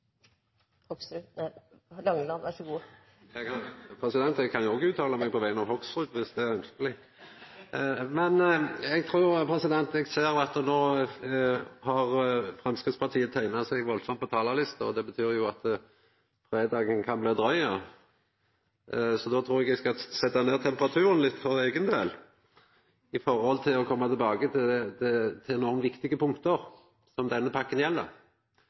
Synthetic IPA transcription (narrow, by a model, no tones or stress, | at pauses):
hɔksɾʉ | lɑŋːəlɑʋæʂɔɡu | ɛpʰɾɛsɪd̪ɛnt̪ɛɡkʰɑnjʊɔɡəʉːt̪ʰɑːləmɛɡ̚pʰɔʋæɪənɑʋhɔɡsʁʉːd̪ʋɪsd̪ɛæɾœnskəlɪ | mɛnɛɡ̚t̪ʰɾuːʁpʰɾɛsɪd̪ɛnt̪ɛɡseːɾɑt̪noː | hɑʁfʁɛmskʁɪt̪spɑʁt̪ʰiːət̪ʰæɪnɑsæɪɡʋɔlsɔmt̪pʰɔt̪ʰɑːlɑlɪst̪əɔd̪ɛbət̪ʰyːɾjʊɑt̪ | fɾeːd̪ɑːɡənkʰɑnbleːd̪ɾœʏɑ | sɔd̪ɔːt̪ʰɾuːʁɛɡɛɡskɑsɛt̪ːɑneːʁt̪ʰɛmpəʁɑt̪ʰʉːɾənlɪt̪ːfɔʁeːɡənd̪eːl | ɪfɔɾhɔlt̪ʰɪlɔkʰɔmːɑt̪ʰɪɛlbɑːɡət̪ʰɛd̪ɛt̪ʰɪnɔʁnʋɪkt̪ɪɡəpʰʊŋkt̪əʁ | sɔmd̪ɛnːəpʰɑkːənjɛlːə̰ʁ